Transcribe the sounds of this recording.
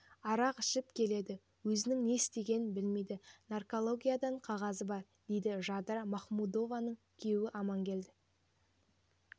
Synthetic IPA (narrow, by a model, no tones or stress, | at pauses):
ɑɾɑqɪʃɪpkʲʰe̞le̞d̪ɪ | wɵzɪnɪŋne̞ɪst̪e̞ɡʲe̞nɪnbɪlme̞jd̪ɪnarko̞lˠo̞ɡʲijad̪ɑɴqʰɑʁɑzəbɑɾ | d̪̥e̞jd̪ɪʒɑd̪ɾɑmɑχmud̪o̞vanəɴ | kʲʰe̞wɪʔɑmɑŋkʲe̞ld̪ɪ